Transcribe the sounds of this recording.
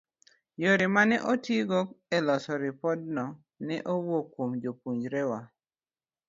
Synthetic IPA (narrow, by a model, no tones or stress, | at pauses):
joɾɪmanɛʔotiɡɔk̚ɛlɔsɔɾɪpɔd̚nɔ | nɛʔowokːwomd͡ʒopuɲd͡ʒɾɛwa